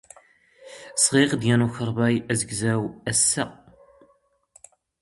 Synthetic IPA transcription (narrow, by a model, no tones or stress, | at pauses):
sʁiʁd̪jænuçəɾˤbɑjæzəɡzæwæsːæ